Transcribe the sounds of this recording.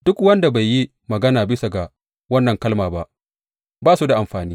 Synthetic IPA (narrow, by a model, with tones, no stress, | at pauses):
d̥ʊ˦kwɐ˦nda˨ba˨jːi˦ | mɐ˨ɡɐ˦naː˨bɪ˦sa˨ɡa˨ | wɐ˦nːɐ˨ŋkɐ˦lmaː˨ba˦ʔ | baː˦su˦da˨ʔa˨mɸaː˨niː˦